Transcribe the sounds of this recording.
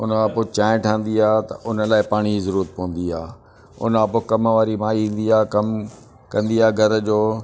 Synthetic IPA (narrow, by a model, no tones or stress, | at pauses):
ʊnãpot͡ɕãːɪ̃ʈʰãːn̆d̪iaːt̪ɐ̰ʔʊnəlaːɪpaːɽ̃izɐɾuːɾət̪̚pɐʋə̃n̆d̪iaː | ʊ̰nãpokɐmʋaːɾimaːiĩːn̆d̪iaːkɐm | kɐ̃nd̪iaːɡʱɐɾəd͡ʑoː